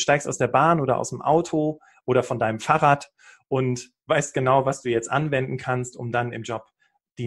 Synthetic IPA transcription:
ʃtaɪkstaʊsd̥eːɐbaːnʔoːɾɐ̰ʔa̰ʊsəmʔa̰ʊtʰo | ʔoːɾɐfɔndaɪnəmfaːʁaːt | ʔʊnt | v̥aɪst̚ɡ̥ənaʊvasd̥uːjɛt͡stʔa̰nvɛndn̩kʰanstʔʊ̰mdanɪ̰md͡ʒɔp | d̥iː

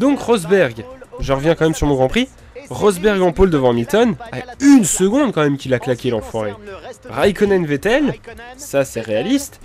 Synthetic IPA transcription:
d̪ɔ̃kʁɔzbɛʁɡʒəʁəvjɛ̃kɑ̃mɛmsyʁmɔ̃ɡʁɑ̃pχi | ʁɔzbɛʁɡɑ̃pold̪əvɑ̃milt̪ɔna̰ynsəɡɔ̃d̪kɑ̃mɛmkʲilaklakʲelɑ̃fɔʁeʁajkɔnɛnvet̪ɛlsasɛʁealist̪

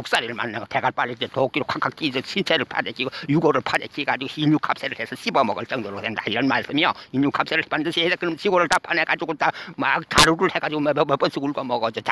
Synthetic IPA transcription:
oks͈aɾiɾɯɭma̰nːaoteɡaɭp͈alːid͡ʑetok͈iɾokʰakʰak̚t͈id͡ʑʌɕʰint͡ɕʰeɾɯɭpʰa̰dek͈iɡojuɡoɾɯɭpʰadek͈iɡad͡ʑiɡoiɲukʰap̚s͈eɾɯɭhesʰʌɕʰibʌmʌɡʌɭt͡ɕ͈ʌŋdoɾosʰendaiɾʌnmaɭs͈ɯmiʌiɲjukʰap̚s͈eɾɯɭhpandɯɕʰiesakɯɾʌmɕʰiɡoɾɯɭtapʰaneɡad͡ʑiɡotamaktaɾuɾɯɭheɡad͡ʑiɡomeemep͈ʌnsʰiuɭɡʌmʌɡʌd͡ʑot͡ɕa

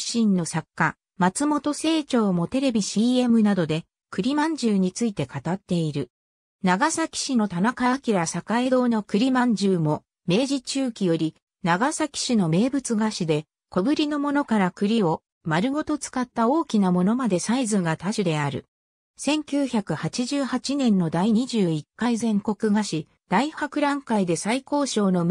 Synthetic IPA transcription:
ɕĩnːo̞sakːa | mat͡sɨmo̞t̪o̞se̞ːt͡ɕo̞ːmo̞t̪e̞ɾe̞bʲiɕiːe̞mɯ̟nad̪o̞d̪e̞ | kɯ̟ɾʲimãɲ̟d͡ʑɨːɲ̟it͡sɨit̪e̞kat̪at̪ːe̞iɾɯ̟ | naɡasakʲi̥ɕino̞t̪anakaβakʲiɾasakaed̪o̞ːno̞kɯ̟ɾʲimãɲ̟d͡ʑɨːmo̞ | me̞ːʑit͡ɕɨːkʲijo̞ɾʲi | naɡasakʲi̥ɕino̞me̞ːbɯ̟t͡sɨɡaɕid̪e̞ | ko̞bɯ̟ɾʲino̞mo̞no̞kaɾakɯ̟ɾʲio̞ | maɾɯ̟ɡo̞t̪o̞t͡sɨ̥kat̪ːao̞ːkʲinamo̞no̞mad̪e̞saizɨ̃ɡat̪aɕid̪e̞aɾɯ̟̰ | sẽ̞ŋkʲɨːçakɯ̟hat͡ɕiʑɨːhat͡ɕinẽ̞nːo̞d̪aiɲ̟iʑɨːikːaizẽ̞ŋko̞kɯ̟ɡaɕi | d̪̥aihakɯ̟ɾãŋkaid̪e̞saiko̞ːɕo̞ːno̞

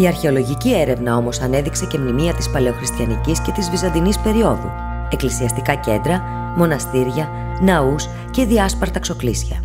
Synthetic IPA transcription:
iɐɾçe̞o̞lo̞ʝicie̞ɾe̞vnɐo̞mosɐne̞ðikse̞ce̞mnimiɐt̪ispɐle̞o̞xɾist̪çɐnicisce̞t̪izvizɐnd̪inispe̞ɾio̞ðṵ | e̞klisiɐst̪ikɐce̞nd̪ɾɐ | mo̞nɐst̪iɾʝɐ | nɐus | ce̞ðiɐspɐɾt̪ɐkso̞klisçɐ̰

